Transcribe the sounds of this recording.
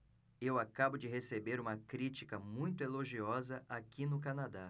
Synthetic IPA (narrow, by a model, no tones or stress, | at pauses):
ewakabʊd͡ʒɪɦesebeɾũmɐkɾit͡ʃikɐmũj̃t̪ʊeloʒiɔzɐʔakinʊkanad̪a